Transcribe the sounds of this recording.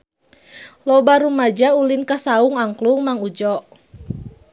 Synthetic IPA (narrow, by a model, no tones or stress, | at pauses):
lɔbaɾumad͡ʒaulinkasauŋaŋkluŋmaŋud͡ʒɔʔ